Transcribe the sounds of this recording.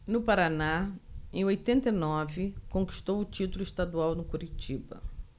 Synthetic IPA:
nʊpaɾanaẽojt̪ẽnt̪ɐinɔvɪkõŋki̥st̪owʊt͡ʃit̪ulʊist̪ad̪uawnʊkuɾit͡ʃibɐ̰

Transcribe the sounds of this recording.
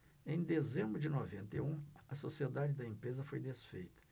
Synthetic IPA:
ẽj̃d̪ezẽmbɾʊd͡ʒɪnovẽnt̪ḛũɐsosied̪ad͡ʒɪd̪ɐẽmpɾezɐfojd̪esfḛjt̪ɐ̥

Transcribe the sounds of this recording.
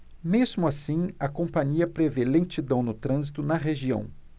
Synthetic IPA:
mezmʊasĩɐkõpɐ̃ɲiɐpɾevelẽt͡ʃid̪ɐ̃w̃nʊt̪ɾɐ̃zit̪ʊnɐɦeʒiɐ̰̃w̃

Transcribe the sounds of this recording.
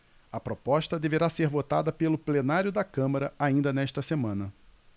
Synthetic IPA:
ɐpɾopɔʃt̪ɐd̪eveɾaseɾvot̪a̰d̪ɐpelʊplenaɾjʊd̪ɐkɐ̃mɐɾɐaĩnd̪ɐnɛʃt̪ɐsemɐ̃nɐ

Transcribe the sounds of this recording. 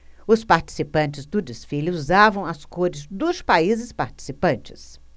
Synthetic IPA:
ʊspaɾt͡ʃi̥sipɐ̃nt͡ʃɪzd̪ʊd͡ʒɪsfilʊuzavɐ̃w̃ɐskoɾɪzd̪ʊspaizɪspaɾt͡ʃi̥sipɐ̃nt͡ʃɪ̥s

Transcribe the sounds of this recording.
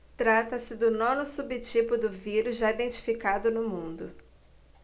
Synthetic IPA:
t̪ɾat̪ɐsɪd̪ʊnõnʊsubɪt͡ʃipʊd̪ʊviɾʊzʒaid̪ẽt͡ʃi̥fikad̪ʊnʊmũnd̪ʊ

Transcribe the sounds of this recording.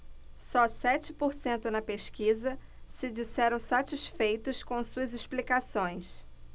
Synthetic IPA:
sɔsɛt͡ʃɪpoɾsẽnt̪ʊnɐpeʃkizɐ | sɪd͡ʒisɛɾɐ̃w̃sat͡ʃisfejt̪ʊskõw̃suɐziʃplikasõj̃s

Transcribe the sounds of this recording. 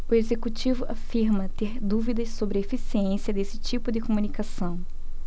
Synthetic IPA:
ʊezekut͡ʃivʊafiɾmɐt̪eɾd̪uvid̪ɐssobɾɪefisiẽsiɐd̪esɪ̥t͡ʃipʊd̪ɪkomũnikasɐ̃w̃

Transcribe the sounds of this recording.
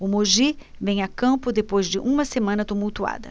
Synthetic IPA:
ʊmoʒi | vẽj̃ɐkɐ̃mpʊd̪epojzd͡ʒɪʔũmɐsemɐ̃nɐt̪umuwt̪ua̰d̪ɐ̰

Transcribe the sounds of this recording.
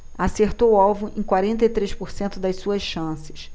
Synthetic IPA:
aseɾt̪owawvʊʔẽj̃kwaɾẽnt̪ɐit̪ɾeʃpoɾsẽnt̪ʊd̪ɐjssuɐsʃɐ̃sɪ̥ʃ

